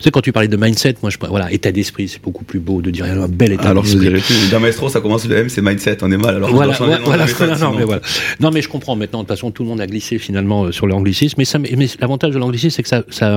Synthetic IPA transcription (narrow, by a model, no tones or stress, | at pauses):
sɛkɑ̃t̪ypaʁlɛd̪əmajnsɛt̪mwaʒəpvwalaʔet̪ad̪ɛspχisɛ̥b̥okuplybod̪əd̪iʁjɛ̃ɛ̃bɛlet̪aadlɔɛsd̪iʁɛpyd̪ɛ̃mɛst̪χosakɔmɑ̃sləɛmsɛmajnsɛt̪ɔ̃nɛmalalɔʁvwalãvavwalanɔ̃nɔ̃mɛvwalanɔ̃mɛʒəkɔ̃pχɑ̃mɛ̃t̪nɑ̃d̪əfasɔ̃t̪uləmɔ̃d̪aɡlisefinalmɑ̃øsyʁlɑ̃ɡlisismɛsammɛlavɑ̃t̪aʒd̪əlɑ̃ɡlis̬issɛkə̥sasa